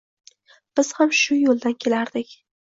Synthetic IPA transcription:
b̥ɪz̥hamʃʊjolˠd̪ankʲʰe̞laɾd̪ɪkʲ

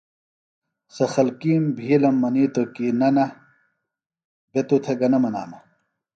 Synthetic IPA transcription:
sɐxɐlkiːmbʱiːlɐmːɐniːt̪okiːnɐnɐ | bet̪ut̪ʰeɡɐnɐmɐna̰ːmɐ

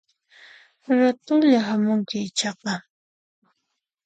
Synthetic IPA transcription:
ɾat̪ʊŋʎaɦamʊŋkɪɪt͡ʃɑqɑ

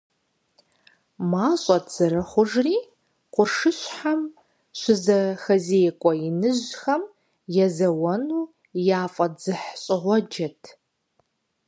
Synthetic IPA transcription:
maːɕʼɔtz̥ɨɾɨχʷʊʒriː | qʷʊrʂɨɕħam | ɕʷɪzɐxɐzejkʷʼɔjɪnɨʑxɐm | jɛzɐwɐnuː | jaːfʼɐd͡zɨħɕʼɪʁʷɔd͡ʒɐtʰ

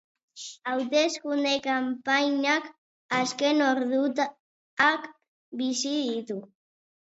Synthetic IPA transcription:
awt̪e̞skund̪ekampajɲak | aske̞no̞ɾðut̪ | ak | bisiðit̪u

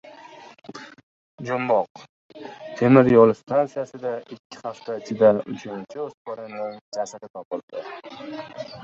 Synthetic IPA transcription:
d͡ʒʊmbɒq̚ | t̪ʰe̞mɪɾjɒlɪst̪ʰant̪sijasɪd̪aɪkʲʰːɪ̥haft̪ʰaɪt͡ʃʰɪd̪aʊt͡ʃʰʊnt͡ʃʰɪosbɒɾɪnɪŋd͡ʒasaɾɪt̪ʰɒpɪld̪̥ɪ

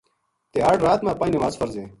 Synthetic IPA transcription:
t̪eːaɽɾaːt̪mãːpaːiːnɪmaːzfɐɾzẽː

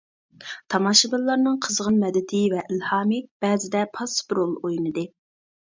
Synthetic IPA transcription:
t̪ʰɑmɑʃɨbɛlːˠɑɾnɨŋqʰəzʁənmɛd̪ɪt̪ʰɪvɛʔilhɑːmɨb̥ɛːzɪd̪ɛpʰɑsbɾolˠojnɨd̪ɨ

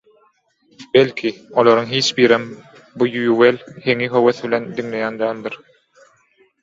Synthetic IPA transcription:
belʲkʰiolˠoɾɯŋɦiːt͡ʃbiːɾem | bujujuwelʲhe̞ŋiɦøweθβilʲe̞nd̪iŋle̞jæːnd̪æːnd̪iɾ

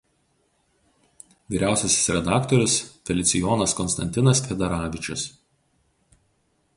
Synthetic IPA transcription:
ʋʲiːɾʲæˑʊsʲɛsʲɪ̥sɾʲɛd̪ɑːkt̪ɔɾʲʊsfʲɛlʲɪt̪sʲɪjɔːnɐskɔnst̪ɐnʲt̪ʲɪnɐsfʲɛd̪ʲɛɾɑːʋʲɪt͡ʃʲʊs

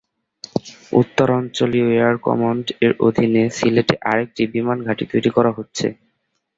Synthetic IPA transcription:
ṵt̪ːoɾɔnt͡ɕolioeaɾkɔ̰moɳɖeɾo̰d̪ʱinesileʈeʔaɾek̚ʈibimanɡʱaʈit̪ojɾikɔɾaɦotːɕʰḛ

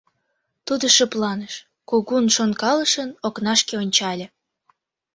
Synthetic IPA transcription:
t̪ud̪oʃəplɑnəʃ | koɣunʃonkɑləʃənoknɑʃkeonʲt͡ɕɑlʲe

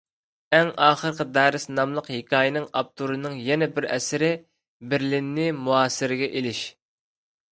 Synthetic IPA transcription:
ɛŋɑːχəɾqʰəd̪æːɾɪsnɑmlˠəqhekʰʲɑːjɪnɨŋɑp̚t̪ʰuɾɨnɨŋjɛnɛbɪɾɛ̰sɪɾɪ | bɪɾlɪnːɪmuɑːsɪɾɪɡʲɛʔelɪʃ

